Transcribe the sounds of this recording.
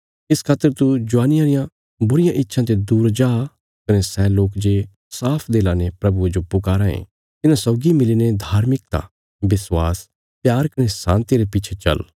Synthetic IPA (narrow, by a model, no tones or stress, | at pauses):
ɪskʰaːt̪ːəɾt̪ud͡ʒʊaːnɪjãɾɪjã | bʊɾɪjãʔɪtːʃʰãt̪ed̪uːɾd͡ʒaː | kɐnesɛːloːkd͡ʒe | saːpʰd̪eːlãnepɾɐbued͡ʒopʊkaːɾãḛ̃ | t̪ɪnãsɔːɡimɪlined̪ʱaːɾmɪk̚t̪a̰ | bɪswaːs | pjaːɾkɐnesã̰ːnt̪iɾepɪːt͡ʃʰet͡ʃɐ̰l